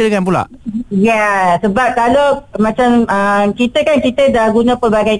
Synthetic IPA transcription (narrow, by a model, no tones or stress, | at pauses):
dəkanp̬ula̰ | jɛsəbap̚kalomãt͡ʃaməmkit̪əkankit̪ədahɡunə̃pərbaɡaj